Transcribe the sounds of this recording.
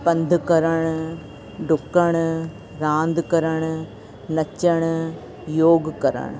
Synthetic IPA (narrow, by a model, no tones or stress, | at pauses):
pɐnd̪ʱkɐɾəɽ̃ | ɖʊkːəɳ̃ | ɾãːnd̪kɐɾəɳ̃ | nɐt͡ʃːəɳ̃ | joːɡkɐɾə̰ɳ̃